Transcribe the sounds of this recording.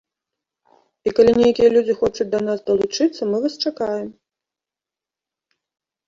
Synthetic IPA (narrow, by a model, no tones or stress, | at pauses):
ikalʲinʲejakʲijɐlʲud͡zʲixɔt͡ʂut͡s̚ʲd̪ɐnasd̪ɐlˠut͡ʂɨt̪sːɐmɨvast͡ʂakajɛm